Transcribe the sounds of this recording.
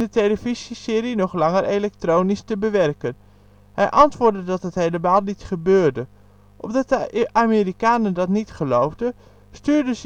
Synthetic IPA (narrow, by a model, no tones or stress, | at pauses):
dətejləvizisɪːɾinɔχlɑŋəɾʔejlɛk̚trownistəbəʋɛrkən | hɛjʔɑntʋʊːɹdədɑtɦətɦejləmaːlˠnitχəbøːɹdə | ʔɔmdɑt̚dəʔaːmeɾikaːnəndɑtnitχəlowvdə | styːɹdəz